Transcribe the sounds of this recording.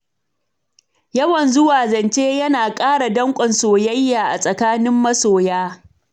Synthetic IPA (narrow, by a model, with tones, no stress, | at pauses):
jɐ˦wɐ˨nzʊ˦waː˨zɐ˨nt͡ʃeː˦jɐ˦naː˨kʼaː˦ɽa˨dɐ˦ŋkʷʼɐ˨nsoː˨jɐ˦jːaː˨ʔa˨sʼɐ˨kaː˦nɪ˦mːɐ˦soː˨jaː˦